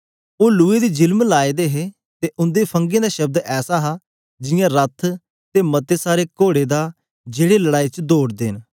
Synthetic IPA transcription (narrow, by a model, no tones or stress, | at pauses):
oːlʊːeːd̪iːd͡ʒɪlmlaːed̪eːɦeː | t̪eːʔʊ̃nd̪eːpʰə̃ŋɡẽːd̪aːʃɐb̚d̪ɛːsaːɦaː | d͡ʒɪjãːɾət̪ʰ | t̪eːmət̪eːsaːɾeːkoːɽeːd̪aː | d͡ʒeːɽeːləɽaːit͡ʃd̪oːɽd̪eːn